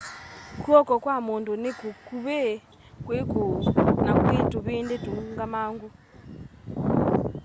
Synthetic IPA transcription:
kuɔkɔkwamondunekukuβe | kweɡʱonakwetuβiːndedʱuŋɡamaːŋɡu

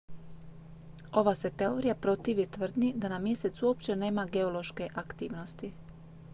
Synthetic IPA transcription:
o̞ʋase̞t̪e̞o̞ɾijapɾo̞t̪iːʋit̪ʋr̩d̪nid̪anamje̞se̞t̪suo̞p̚t͡ɕe̞ne̞ːmaɡe̞o̞lo̞ʃke̞ʔakt̪iːʋno̞st̪i

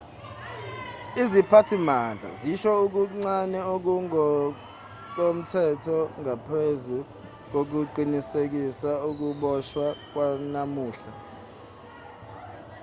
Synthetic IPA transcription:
izipʰatʰimand͡ɮʱa̰ziʃɔuk̬uŋ͡ǀanɛok̬uŋɔ | k̬om̩tʰɛtʰɔŋapʰezu | k̬ok̬uǃinisek̬isauk̬uɓɔʃwak̬wanamuːɬa

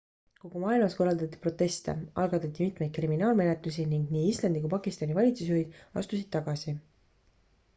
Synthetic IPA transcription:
ko̞ɡ̥umɑːilmɑsko̞rːɑld̪ɑt̪ʲˑːi̥pro̞t̪ˑːe̞st̪e̞̰ʔɑ̰lɡ̥ɑt̪ːˑɑt̪ʲːˑimit̪ˑmejd̪̚kriminɑːlme̞net̪lus̬iniŋɡniːislɑnd̪ikupɑkˑist̪ɑnivɑlʲit̪sus̬yvid̪̥ɑ̰st̪usid̪̥t̪ːɑɡ̥ɑsi

